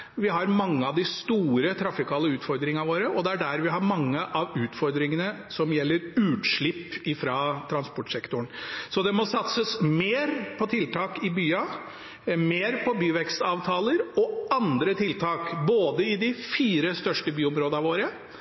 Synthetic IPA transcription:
ʋɪɦɑɾmɑŋːəɑʋd̪ɪst̪uːɾət̪ʰɾɑfɪkʰɑːləʉːt̪fɔɾd̪ɾɪŋɑʋoːɾəʔɔd̪ɛæɖæɾʋɪɦɑɾmɑŋːəʔɑʋʉːt̪fɔɾd̪ɾɪŋənə | sɔmjɛlːəɾʉːt̪ʂɭɪpːɪfɾɑːt̪ʰɾɑnspɔʈsɛkt̪ʊɳsɔd̪ɛmɔsɑt̪səsmeːɾpʰɔt̪ʰɪlt̪ʰɑːkɪbyːɑ | meːɾpʰɔbyːʋɛkst̪ɑːʋt̪ʰɑːləɾɔɑnd̪ɾət̪ʰɪlt̪ʰɑːkboːd̪əɪd̪ɪfiːɾəst̪œʂʈəbyːɔmɾoːd̪ɑʋoːɾə

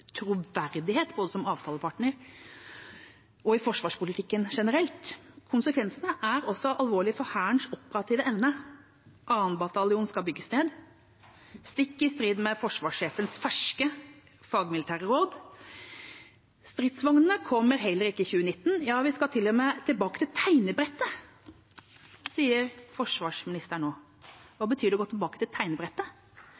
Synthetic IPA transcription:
t̪ʰɾuʋæɾd̪ɪheːt̪boːd̪əsɔmɑːʋt̪ʰɑːləpʰɑʈɳəɾ | ɔɪfɔʂʋɑːʂpʊlɪt̪ɪkːənʂɛnəɾɛlt̪kʰʊnsəkʰʋɛnsənəʔæɾɔsːɔʔɑlʋoːɭɪfɔhæːəɳʂɔpːəɾɑt̪ʰiːʋəʔɛʋnə | ʔɑːənbɑt̪ɑlɪuːnskɑbʏɡːəsneːd̪ | st̪ɪkːɪst̪ɾiːd̪mɛfɔʂʋɑːʂːeːfənsfæʂkə | fɑːɡmɪlɪt̪ʰæːɾəɾoːd̪ | st̪ɾiːd̪sʋɑŋnənəkʰɔmːəɾɦɛlːəɾɪkːəɪçʉːənɪt̪ːn̩jɑːʋɪskɑt̪ʰɪlːœmət̪ʰɪlbɑːkət̪ʰɪlt̪ʰæɪnəbɾɛt̪ːə | siːəɾfɔʂʋɑːʂmɪnɪst̪əɳoː | ʋɑːbət̪ʰyːd̪ɪɡoːt̪ɪlbɑːkət̪ʰɪlt̪ʰæɪnəbɾɛt̪ːə

